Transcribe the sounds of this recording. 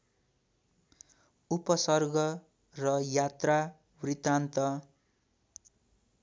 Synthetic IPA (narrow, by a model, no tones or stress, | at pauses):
upʌsʌrɡʌ | rʌjat̪ra | writ̪ant̪ʌ